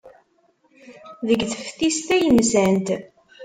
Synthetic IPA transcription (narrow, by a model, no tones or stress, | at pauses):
ðəɡθəfθist̪æjəmsænt̪